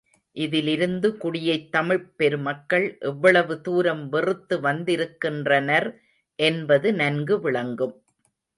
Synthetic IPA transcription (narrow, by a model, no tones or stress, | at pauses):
ʔɪðɪlɪɾɯnd̪ɯkʊɽɪjɐɪt̪ːɐmɪɻpɛɾɯmɐkːɐɭʔɛʋːɐɭɐʋɯt̪uːɾɐmʋɪrɯt̪ːɯʋɐnd̪ɪɾɯkːɪndrɐnɐɾ | ʔɛnbɐðɯnɐnɡɯʋɪɭɐŋɡɯm